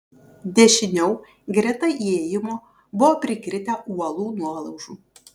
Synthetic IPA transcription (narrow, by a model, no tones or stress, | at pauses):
d̪ʲɛʃʲɪnʲɛʊ | ɡɾʲɪt̪ɐʔieːjɪmoː | bʊʋoːpʲɾʲɪkɾʲɪt̪ʲɛʔuɔlˠuːnuɔlˠɐʊʒuː